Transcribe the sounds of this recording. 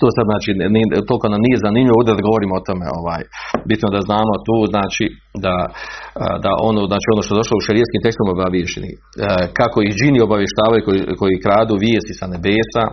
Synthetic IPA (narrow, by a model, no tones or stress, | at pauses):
t̪oːsad̪znaːt͡ʃinit̪o̞lˠikonamnije̞zanimʎʲiʋoːvd̪ed̪aɡo̞ʋo̞ɾiːmot̪o̞mḛo̞̰ʋaːjbit̪nod̪aznaːmo̞t̪uːznaːt͡ʃi | d̪a̰ | d̪aʔonoznaːt͡ʃiːonoːʃt̪oeo̞ʃlouʃeɾieskiːmt̪ekst̪umobaʋjeʃḛnḭ | kako̞ihd͡ʒinio̞baʋje̞ʃt̪aːʋajukoko̞jikɾaːd̪uːʋjeːst̪isane̞beːsa